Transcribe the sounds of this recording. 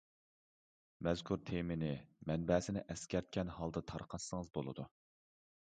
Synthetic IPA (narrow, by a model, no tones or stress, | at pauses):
mɛzkʰuɾt̪ʰemɪnɪmɛnbɛːsɪnɪ̰ʔɛskʲɛɾt̪̚kʲɛnhɑlˠd̪ɨt̪ʰɑɾqʰɑsəŋɨzbolˠɨ̰d̪u